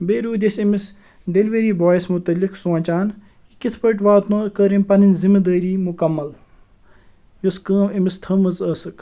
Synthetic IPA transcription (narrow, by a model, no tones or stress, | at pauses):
beːɾuːd̪ʲesimis | ɖelʋeɾiːbɔːjsmut̪ɐlːiksõːnt͡ʃaːn | ikit̪ʰpəʈʋaːt̪noːkəːɾinpɐninzimɐd̪əːɾiːmukɐmːɐl | joskəːmimist̪ʰɐmɐzəːsɨk